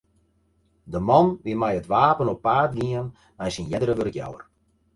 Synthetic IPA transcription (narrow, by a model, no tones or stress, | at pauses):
dəmɔnʋɪmɛjətʋaːpənɔpːaːtɡiən | mɛjsinjɛdəɾəʋørəkja̰wə̰r